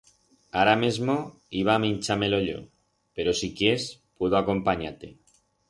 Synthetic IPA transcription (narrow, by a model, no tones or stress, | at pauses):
aɾamezmo | iβ̞aːmĩnʲt͡ʃameloʎo̰ | peɾosikjespweðoako̞mpaɲat̪e